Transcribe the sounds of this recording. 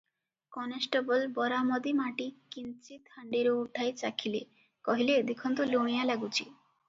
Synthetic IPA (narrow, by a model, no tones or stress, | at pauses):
kɔnesʈebɔlbɔɾamɔd̪imaʈikint͡ʃit̪ʰaɳɖiɾouʈʰːajt͡ʃakʰile | kɔɦiled̪ikʰɔnt̪uloɽ̃ijalaɡut͡ʃʰi